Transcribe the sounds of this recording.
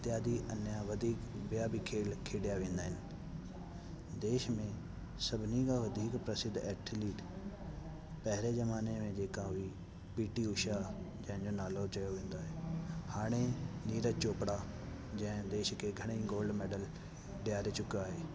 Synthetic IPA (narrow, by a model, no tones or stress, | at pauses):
t̪ɪjaːd̪iʔɐnjaʋɐd̪ʱiːkbɪjabʱikʰeːlkʰeːɽijaʋẽːnd̪aːɦɪnɪ̆ | d̪eːʃmẽ | sɐbʱɪnikaʋɐd̪ʱiːkpɾɐsɪd̪ʱɛːkʈʰliːʈ | pɐɦɾezɐmaːnemẽd͡ʑeːkaʊɦi | piːʈiʊʃad͡ʑɐ̃ɦɪ̃ɲd͡ʑonaːlot͡ɕɐjoʋẽːn̆d̪oːɦeːhaːɽ̃eniːɾət͡ɕoːpɽa | d͡ʑɐ̃ɦɪ̃d̪eːʃkʰeɡʱɐɽ̃eiɡoːlɖmeːɖəl | ɖɪjaːɾet͡ɕʊkiaːɦeː